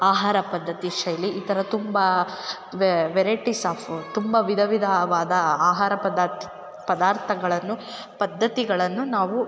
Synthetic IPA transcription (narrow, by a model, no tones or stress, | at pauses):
aːɦaːɾɐpɐd̪ʱːɐt̪iʂɐjliʔit̪ɐɾɐt̪umbɐ | ʋʋɛɾɐjʈisaːpʰt̪umbɐʋid̪ʱɐʋid̪ʱaʋaːd̪ɐaːɦaːɾɐpɐd̪ | pɐd̪aːɾt̪ʰɐɡɐɭɐnːu | pɐd̪ʱːɐt̪iɡɐɭɐnːunaːʋu